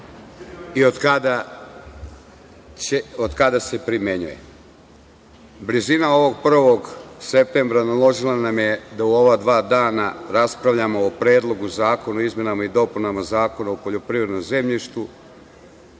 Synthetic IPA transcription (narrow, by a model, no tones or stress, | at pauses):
iokad̪a | eod̪kad̪ase̞pɾimje̞ɲṵje̞̰ | blizinao̞ʋo̞ɡ̚pr̩ʋo̞ɡse̞p̚t̪e̞mbɾanalˠo̞ʒilˠanamje̞d̪auo̞ʋad̪ʋaːd̪aːnaɾaspɾaʋʎamo̞ːpɾeːd̪lˠo̞ɡuzaːko̞nuizmje̞namaid̪o̞punamazaːko̞naupoʎo̞pɾivɾe̞d̪no̞mze̞mʎiʃt̪u